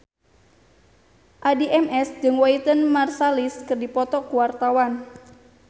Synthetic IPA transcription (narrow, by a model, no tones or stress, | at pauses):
ʔadiʔɛmʔɛsd͡ʒəŋwait̪ənmarsaliskərdipɔt̪ɔkuwart̪awan